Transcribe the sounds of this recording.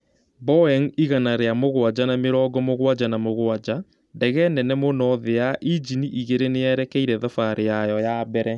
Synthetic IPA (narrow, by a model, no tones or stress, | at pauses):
bɔɛŋiɣanaɾeamoɣwad͡ʑanameɾɔːɡɔmoɣwad͡ʑanamoɣwad͡ʑa | ndɛɣɛnɛnɛmonɔðeaʔid͡ʒiniʔiɣeɾeneɛɾɛkɛiɾɛðɔfaɾejajɔjabɛɾɛ